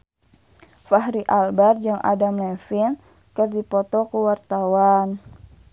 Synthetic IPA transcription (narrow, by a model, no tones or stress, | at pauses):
faɦɾiʔalbard͡ʒaŋʔa̰damlɛfin | kərdipɔt̪ɔkuwart̪awan